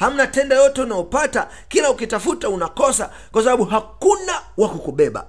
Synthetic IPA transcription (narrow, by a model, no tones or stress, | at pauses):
ham̩natɛndajɔtɛunajɔpata | kilaukitafutaunakɔsa | kwasaɓaɓuɦakunawakukuɓɛɓa̰